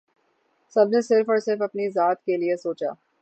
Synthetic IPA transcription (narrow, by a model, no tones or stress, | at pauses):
sɐbnesɪɾfɔːɾsɪɾfɐpnizaːt̪keliesoːt͡ʃa̰ː